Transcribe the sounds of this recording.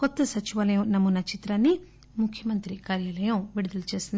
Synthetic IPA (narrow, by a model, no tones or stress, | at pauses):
kɔt̪ːɐsɐt͡ʃiʋɐlɐjɐmnɐmːunɐt͡ʃit̪ɾaːnːi | mukʰjɐmɐnt̪ɾikaːɾjaːlɐjɐmʋiɽud̪ɐlut͡ʃe̞ːsind̪